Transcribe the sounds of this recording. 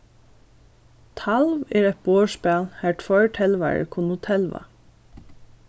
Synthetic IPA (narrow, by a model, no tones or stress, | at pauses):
t̪ʰɑlʋeːɹɛt̪̚b̥oːʃpæːlhæːʈfɔɹʈʰɛlʋæ̰ːɹə̰kʰʊnʊt̪ʰɛlʋɑ̰